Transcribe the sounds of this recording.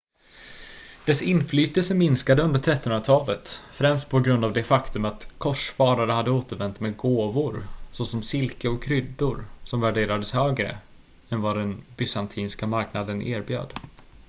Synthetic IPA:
d̪̥ɛsɪnflyːt̪əlsəmɪnskad̪əɵnd̪əʈʰɾɛt̪ːhɵnɾat̪ʰɑːlət̪fɾɛmst̪̚pʰɔɡɾɵnd̪avd̪ɛfakt̪ɵmat̪kʰɔʂfɑːɾaɾəhad̪ːəoːt̪əɾvɛnt̪meːɡoːvʊɾsɔsɔmsɪlkəɔkʰːɾʏd̪ːʊɾsɔmvæɖeːɾad̪əshøːɡɾə̰ | ɛnvad̪ɛnbʏsant̪ʰiːnskamaɾknad̪ənʔḛːɾbjø̰ːd̪

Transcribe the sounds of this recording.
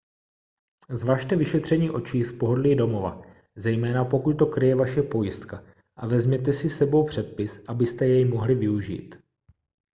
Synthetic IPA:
zvaːʃt̪ɛvɪʃɛt̪r̝̥ɛɲiːʔo̞t͡ʃiːspo̞ɦo̞dlido̞mo̞va̰ | zɛjmɛːnapo̞kut̪̚t̪o̞kɾɪjɛvaʃɛpo̞jɪst̪ka | ʔavɛzmɲɛt̪̬ɛsɪsɛbo̞wpr̝̥ɛt̪̚pɪsʔabɪst̪ɛjɛjmo̞ɦlɪvɪuʒḭːt̪

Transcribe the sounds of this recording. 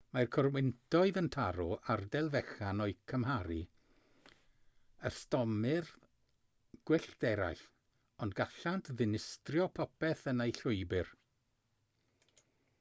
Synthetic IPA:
markʰɔrwɪntʰɔɨðəntʰaɾɔʔardɛlˠvɛxanɔɨkʰəmhaɾi | əstɔmɨr | ɡ̥wɪɬd̥ɛɾa̰jɬ | ɔndɡaɬantʰðɪnɪstrjɔpʰɔpʰɛθənejɬʊɨbɨr

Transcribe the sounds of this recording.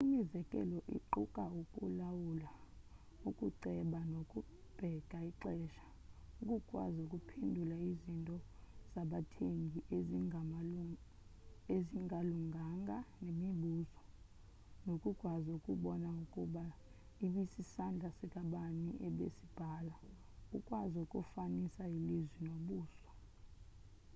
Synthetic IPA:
imizɛkʼɛ̰lɔʔḭǃukʼaukʼṵlawula | ukʼuǃɛɓanokʼu | b̥ʱɛɡ̥ʱaiǁɛːʃḁ | ukʼukʼwa̰zukʼupʰendʱulaizintʼɔz̥aɓatʰeŋɡʱiʔeza | eziŋʱaluŋɡʱaŋɡʱanemiɓuːzɔ | nokʼukʼwazuukʼuɓɔnaukʼuɓa | iɓisisand͡ɮʱasɛkʼaɓaniʔɛɓḛsib̥ʱaːla | ṵkʼwazukʼufanisailizwinoɓuːsɔ̥

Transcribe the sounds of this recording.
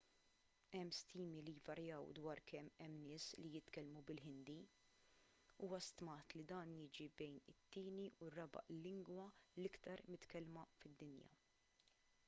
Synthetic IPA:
ɛmːst̪iːmilijvɐɾjɐːwd̪wɐːɾkʰɛmːɛmːnɪːslijɪt̪kɛlmubɪlħɪnd̪i | uːwɐst̪mɐːt̪lid̪ɐːnjɪːd͡ʒibɛjnɪt̪ːɪːniʊrːɐbɐ̰ʔlːɪŋɡwɐlɪkt̪ɐɾmɪt̪kɛlmɐfɪd̪ːɪnjɐ̰

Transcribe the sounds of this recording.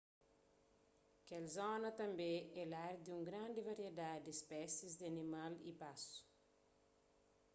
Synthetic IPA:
kɛlzɔnɐt̪ɐ̃mbẽɛlaɾd̪ũŋɡɾãnd̪ɪvɐɾied̪ad̪d̪espɛsizd̪ɪɐnimalḭpasu̥

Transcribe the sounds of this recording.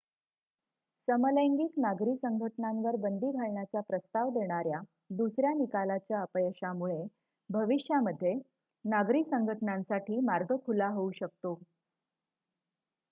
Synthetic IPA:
səmələŋɡiknaɡɾiːsəŋɡʱəʈɳamʋəɾbənd̪ʱiːɡʱaɭɳjat͡sapɾəst̪aʋd̪eɳ̃aɾja | d̪usɾjanikalat͡ɕjaəpəjəɕamuɭe | bʱəʋiɕjaməd̪ʱːje | naɡɾiːsəŋɡʱəʈnãnsaʈʰiːmaɾɡʱəkʰulaɦouɕək̚t̪o

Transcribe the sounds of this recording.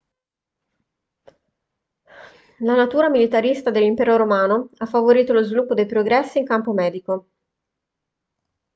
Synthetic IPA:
lanat̪uːɾamilit̪aɾist̪ad̪elːimpɛːɾoɾomaːnoafːavoɾiːt̪olozvilupːod̪ejpɾoɡɾɛsːiːŋkampomɛːd̪iko

